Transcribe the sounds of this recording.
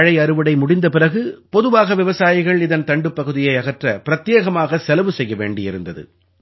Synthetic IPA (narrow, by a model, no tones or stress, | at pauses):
ɻɐɪɐɾɯʋɐɽɐɪmʊɽɪnd̪ɐpɪrɐɣɯpɔðɯʋaːɣɐʋɪʋɐsaːjɪɣɐɭɪðɐnt̪ɐɳɖɯpːɐɣɯðɪjɐɪɐɣɐʈrɐpɪɾɐt̪jeːɣɐmaːɣɐsɛlɐʋɯsɛjːɐʋḛːɳɖɪɪɾɯ̰nd̪ɐðɯ̰